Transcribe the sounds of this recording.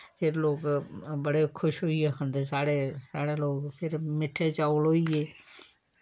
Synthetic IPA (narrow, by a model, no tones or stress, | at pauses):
pʰɪɾloːɡbəɽekʰʊʃɦʊiekʰə̃nd̪esaːɽesaːɽeloːɡpʰɪɾmɪʈʰet͡ʃaːoloieː